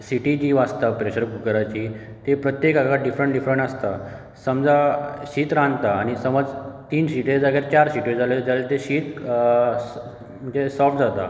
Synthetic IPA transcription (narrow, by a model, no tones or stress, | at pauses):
siʈid͡ʑiːʋast̪apɾeɕəɾkukəɾat͡ɕi | t̪epɾət̪jekakaɖifɾəɳʈɖifɾəɳʈast̪a | səmd͡zaɕiːt̪ɾãnd̪t̪aːɽ̃isəməd͡zt̪iːnsiʈid͡zaɡjaɾt͡ɕaɾsiʈid͡zaled͡zalet̪eɕiːt̪ | m̤ənd͡ʑesɔfʈ̚d͡zat̪a̰